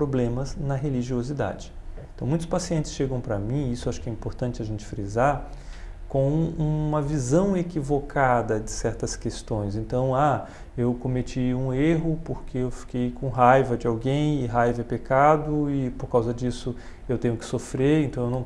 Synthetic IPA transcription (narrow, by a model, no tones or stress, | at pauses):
pɾoblẽmɐznɐɦeliʒiozid̪a̰d͡ʒɪ | ẽt̪ɐ̃w̃mũj̃t̪ʊspasiẽnt̪ɪsʃeɡɐ̃w̃pɾɐmĩisʊaʃʊ̥kɪɛĩpoɾt̪ɐ̃nt͡ʃɪɐʒẽnt͡ʃɪ̥fɾizaɾ | kõw̃ũmɐvizɐ̃w̃ekivokʰad̪ɐd͡ʒɪsɛɾt̪ɐskest̪õj̃s̬ẽnt̪ɐ̃w̃a | ewkõmet͡ʃiũeɦʊpoɾkʰeewfi̥kejkõɦajvɐd͡ʒɪawɡẽj̃ɪɦajvɐɛpekad̪ʊɪpoɾkawzɐd͡ʒisʊ | ewt̪ẽɲʊkɪ̥sofɾeɾẽt̪ɐ̃w̃ewnɐ̃w̃